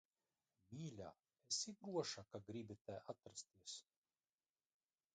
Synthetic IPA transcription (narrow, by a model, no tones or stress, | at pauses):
mʲiːlʲa̰ː | esiɡɾuɔʃakaɡɾibʲit̪ɛʔat̪ɾast̪iɛs